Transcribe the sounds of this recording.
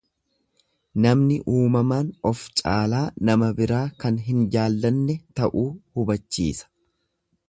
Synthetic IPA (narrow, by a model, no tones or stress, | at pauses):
nɐmnɪʔuːmɐmaːnɔft͡ʃʼaːlaːnɐmɐbɪɾaːkɐnɦɪnd͡ʒaːlːɐnːɛt̪ɐʔuːhʊbɐt͡ʃːḭːsɐ̥